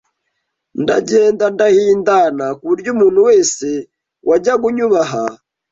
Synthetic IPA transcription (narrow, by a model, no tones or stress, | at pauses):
nda̰ɟe̞ːndandahiːndaːnakuβuɾɟuːmuːn̥huwe̞ːse̞ | wʔaɟaɡuɲuβaɦa